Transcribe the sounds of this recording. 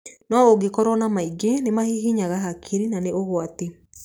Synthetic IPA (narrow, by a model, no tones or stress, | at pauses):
nɔoɡekɔɾɔnamaiɡenemahiɦiɲaɣaɦakʰiɾinaneoɣwate